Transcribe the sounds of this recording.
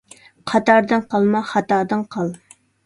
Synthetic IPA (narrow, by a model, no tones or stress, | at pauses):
qʰɑt̪ɑɾd̪ɨnqʰɑlˠmɑχɑt̪ɑːd̪ɨnqʰɑlˠ